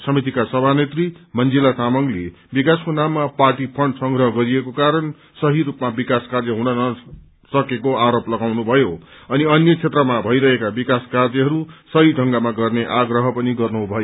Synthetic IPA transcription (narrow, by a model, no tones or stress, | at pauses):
sʌmit̪̬ikasʌbʱanet̪rimʌnd͡zilat̪amʌŋle | bikaskonamːaparʈipʰʌɳɖsʌŋɡɾʌɦʌɡʌɾiekokaɾʌn | sʌɦiɾupmabikaskard͡zʌɦũnʌnʌ | sʌkekoaɾoplʌɡawnubʱʌjo | ʌniʌnjʌt͡sʰet̪rʌmabʱʌijɾʌɦekabikaskard͡zʌɦʌɾusʌɦiɖʱʌŋɡamaɡʌrneʔaɡrʌɦʌpʌniɡʌrnubʱʌjo